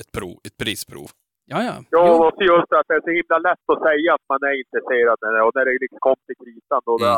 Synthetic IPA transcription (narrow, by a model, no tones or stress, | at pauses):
ɛt̪̚pʰɾuːɛt̪̚pʰɾiːspʰɾṵːv | jɑjɑ̰juːɔksɔjɵsfɾat̪̚d̪ɛæʂɔhɪmːlalɛt̪ːɔsɛjːaːt̪manæɾɪnt̪ɾəseːɾad̪ɛɔnæɖɛlɪkskʰɔmːt̪ʰɪlkʰɾiːsand̪ɔd̪ɛ